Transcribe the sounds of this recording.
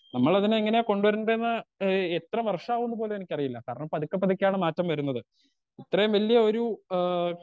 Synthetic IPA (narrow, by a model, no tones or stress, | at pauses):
nɐmːɐɭɐðineiŋːɐneko̞ɳɖuʋɐɾuɳɖɐenːɨet̪rɐmʋɐrʂaːʋuɳːup̬o̞ːleenikʲːɐrijilːɐkaːɾɐɳɐmpːɐðikʲːɐpːɐðikʲːaːɳɨmaːtːɐmʋɐɾunːɐðɨ | it̪rɐjumʋɐlːijɐo̞ɾu